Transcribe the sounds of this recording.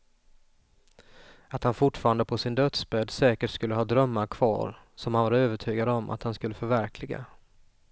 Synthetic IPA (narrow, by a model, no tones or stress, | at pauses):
at̪hanfʊʈːfɑːɾand̪əpʰɔsɪnd̪œt̪sbɛd̪sɛːkəʈskɵlːəɦɑːd̪ɾœmːaɾkʰv̥ɑ̰ːɾ | sɔmhanvaɾøːvəʈʰyːɡad̪əɔmʔa̰t̪hanskɵlːəfœɾvæɾkʰlɪɡa̰